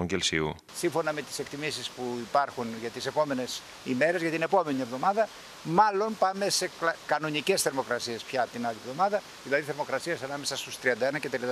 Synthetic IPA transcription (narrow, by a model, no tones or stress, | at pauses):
oɲɟelsiu | siɱfo̞nɐme̞t̪i̥se̞kt̪imisispuipɐɾxunʝɐt̪ise̞po̞me̞ne̞s | ime̞ɾezʝɐt̪ine̞po̞me̞nie̞vðo̞mɐðɐ | mɐlo̞npɐme̞se̞kɐno̞nice̞sθe̞ɾmo̞kɾɐsie̞spçɐt̪inɐlievðo̞mɐðɐ | ðilɐðiθeɾmo̞kɾɐsiesɐnɐme̞sɐst̪ust̪ɾiɐnd̪ɐenɐcet̪ɾi